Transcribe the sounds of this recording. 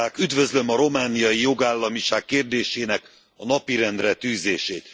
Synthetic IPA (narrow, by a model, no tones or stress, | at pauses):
aːkyd̪vø̞zlø̞mɒɾo̞maːnijɒjijo̞ɡaːlːɒmiʃaːkːeːrd̪eːʃeːnɛk | ɒnɒpiɾɛnd̪rɛt̪yːzeːʃeːt̪